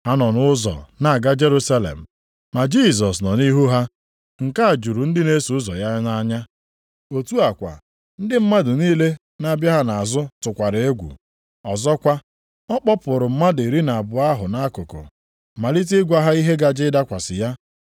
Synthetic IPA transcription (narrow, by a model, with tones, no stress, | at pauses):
ha˦nɔ˨nʊ˦zɔ̰˨na˨a˨ɡa˦d͡ʒe˦ɾu˦sa˦lḛ˨m̩˨ | ma˨d͡ʒi˦˨z̬ɔ˨snɔ˨ni˦ɦu˦ɦa˦ | ŋ̩˨ka˦a˨d͡ʒu˨ɾu˨n̩˦dɪ˦ne˦su˨ʊ˦zɔ̰˨ja˦na˦ɲa˦ | o˨tu˦a˨kʷa̰˨ | n̩˦dɪ˦m̩˦ma˦dʊ˨niː˦le˦ | na˦˨bja˦ɦa˦na˨a˨zʊ˦tʊ˨kʷa˨ɾɪ˨e˦ɡʷṵ˨ | ɔ˨zɔ˦kʷa˦ | ɔ˦k͡pɔ˦pʊ˨ɾʊ˨m̩˦ma˦de˨ɾi˦na˨a˨bʊ˨a˦ɦʊ˨na˦kʊ˨ko̰˨ | ma˨li˦t̬i˦ɡʷa˦ɦa˦i˦ɦe˦ɡa˦d͡ʒɪ˦da˦kʷa˨sɪ˨ja˦